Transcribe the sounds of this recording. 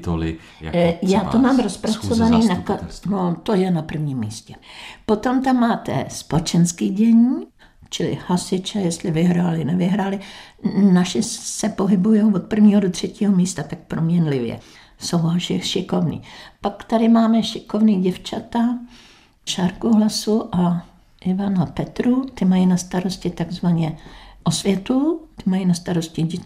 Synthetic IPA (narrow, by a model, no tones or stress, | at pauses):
t̪olɪ̰ | jaːt̪omaːmɾospɾat͡sovaniːnakanot̪ojɛnapr̩vɲiːmːiːscɛpot̪o̞mt̪amːaːt̪ɛ̰spot͡ʃɛnskiːɟɛɲiː | t͡ʃɪlɪ̰hasɪt͡ʃɛjɛst̪lɪvɪɦɾaːlɪnɛvɪɦɾaːlɪnaʃɪsɛpo̞ɦɪbujowvot̪̚pr̩vɲiːɦodot̪r̝̥ɛciːɦomiːst̪at̪ak̚pɾomɲɛnlɪvjɛ̰ | sowɦalʃɪxʃɪkovnḭːpakt̪adɪmaːmɛʃɪkovniːɟɛft͡ʃat̪a | ʃaɾkuɦlasuʔa | ʔɪvanapɛt̪ɾut̪ɪmajinast̪aɾo̞scɪt̪aɡzvaɲɛʔosvjɛt̪ut̪ɪmajinast̪aɾo̞scɪ